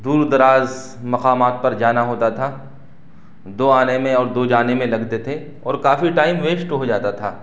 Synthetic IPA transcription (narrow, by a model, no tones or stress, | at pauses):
d̪uːɾd̪ɐɾaːz | mɐqaːmaːt̪̚pɐɾd͡ʒaːnaɦoːt̪at̪ʰaː | d̪oːaːnemẽɔːɾd̪oːd͡ʒaːnemẽlɐɡt̪et̪ʰe | ɔːɾkaːfiʈaːɪmʋeːʃʈɦod͡ʒaːt̪at̪ʰaː